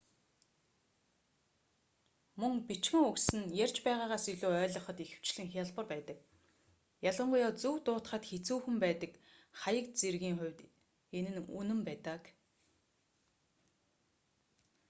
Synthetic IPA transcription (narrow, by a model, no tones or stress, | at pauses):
mɵŋpit͡ɕxɘ̆ŋɵksɘ̆njærʲt͡ɕpæːʁaːʁaːsiɮoːœːɮɞ̆χɞ̆t̪ixɘ̥̆w̥t͡ɕɮɘ̆ŋxʲjaɮpə̆rpæːt̪ə̆k | jaɮʁə̆ɴɢʊːjɔːt͡suwt̪ʊːt̪χə̆t̪xet͡suːxɘ̆mpæːt̪ə̆kχajə̆kt͡serɣiːŋχʊ̟wʲt̪ | enɘ̆nunɵ̆mpæːt̪ə̆k